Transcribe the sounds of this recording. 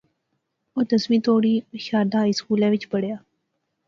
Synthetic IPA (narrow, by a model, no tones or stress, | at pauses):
oːt̪əsmiːt̪oːɽiːʃaːd̪aːɪskuːlãːʋɪt͡ʃbəɽjaː